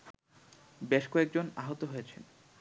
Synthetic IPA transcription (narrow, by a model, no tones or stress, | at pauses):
beʃkɔek̚d͡ʑonaɦot̪oɦojet͡ɕʰen